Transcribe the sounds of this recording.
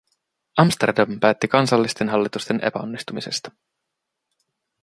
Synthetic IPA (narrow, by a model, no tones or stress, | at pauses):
ɑmst̪ḛrdɑmpæːt̪ːikɑnsɑlːist̪e̞nɦɑlːit̪ust̪e̞nʔe̞̰pæ̰o̞̰nːist̪umise̞st̪ɑ̥